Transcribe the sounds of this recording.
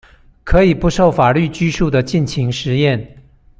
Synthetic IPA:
kʰɤ˧˥i˨˩pu˧˥ʂo˥˩ʊfa˨˩ly˥˩t͡ɕy˥ʂu˥˩d̪ə˩t͡ɕi˥˩nt͡ɕʰi˧˥ŋʂɻ̩˧˥jɛ˥˩n

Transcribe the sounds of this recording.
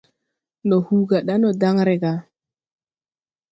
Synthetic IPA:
no˨hu˦ɡa˨ɗa˦no˨da˦ŋɾe˨ɡa˨

